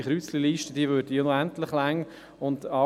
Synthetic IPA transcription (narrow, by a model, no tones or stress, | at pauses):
χɾyt͡sliliːʃtəd̥iːəvøːɾdəjonoæntlɪχlæŋ | ʊndɑ